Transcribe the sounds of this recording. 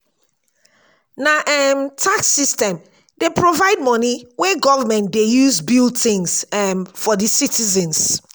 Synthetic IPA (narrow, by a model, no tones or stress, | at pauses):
naʔɛmtʰaksistɛ̃m | depʰɹovaɪd̚mɔniwɛɡɔvamɛ̃ntdejuzbilθĩŋsɛmfɔdisitizɛ̃ns